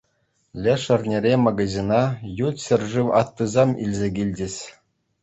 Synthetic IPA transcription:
lʲeʂɘ̆rʲnʲeɾʲemɑɡɑzʲinɑjut̪ʲɕʲɘ̆rʲʐɯʋɑt̪ːɯzɑmḭlʲzʲeɡʲilʲdʲɘ̆sʲ

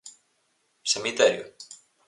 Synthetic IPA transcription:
semit̪ɛɾjʊ

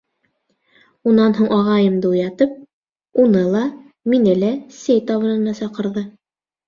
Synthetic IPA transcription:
unɑnɦuɴʔɑʁɑjɤmd̪ɤujɑt̪ɤp̚ | unɤlˠɑ | minɘlæsæjt̪ɑβɤ̆nɤ̆nɑsɑqɤ̆ɾðɤ

